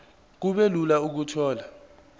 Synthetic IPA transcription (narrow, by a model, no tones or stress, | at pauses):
k̬uɓelulauk̬utʰɔːla